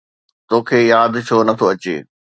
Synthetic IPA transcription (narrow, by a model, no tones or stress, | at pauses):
t̪oːkʰeːjaːd̪t͡ɕʰoːnɐt̪ʰoɐt͡ɕḛː